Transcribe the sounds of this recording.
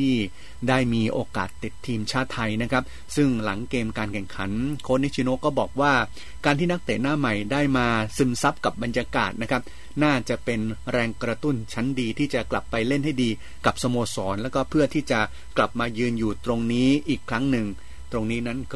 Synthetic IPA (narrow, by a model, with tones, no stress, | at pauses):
iː˥˩ | daː˥˩jmiː˧ʔoː˧ka̰ː˨˩t̪ːi˨˩t̪ʰːiː˧mt͡ɕʰaː˥˩t̪ʰːa˧jna˦˥kʰa˦˥p̚ | sɯ˥˩ŋla˩˦ŋkeː˧mkaː˧nkʰɛ˨˩ŋkʰa̰˩˦nkʰoː˧˥nː˦˥t͡ɕʰi˧noː˧˥˩kɔː˥˩bɔː˨˩k̚waː˥˩ | kaː˧nt̪ʰiː˥˩na˥k̚t̪eː˨˩t̪̚naː˥˩ma˨˩jdaː˥˩jmaː˧sɯ˧˩msa˦˥p̚ka˨˩p̚ba˧njaː˧ka̰ː˨˩t̪̚na˦˥kʰa˦˥p̚ | naː˥˩t͡ɕa˨˩pe˧nɾɛː˧ŋkɾa˧t̪u˥˩nt͡ɕʰa˦˥ndiː˧t̪ʰiː˥˩t͡ɕa˨˩kla˨˩pːa˧jle˥˩nha˥˩jdiː˧ | ka˨˩p̚sa˧moː˧sɔː˩˦nlɛː˦˥wkɔː˥˩pʰɯ˥˩ɐt̪ʰiː˥˩t͡ɕa˨˩ | kla˨˩p̚maː˧jɯː˧njuː˨˩t̪ɾo˧ŋniː˦˥ʔiː˨˩kʰːɾa˦˥ŋnɯ˨˩ŋ | t̪ɾo˧ŋniː˦˥na˦˥nkʰ